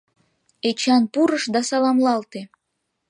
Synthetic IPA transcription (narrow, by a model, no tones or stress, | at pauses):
et͡ɕɑnpuɾəʃd̪ɑsɑlɑmlɑlt̪e